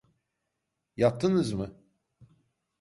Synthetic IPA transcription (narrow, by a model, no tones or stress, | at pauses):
jat̪ʰːɯnɯzmɯ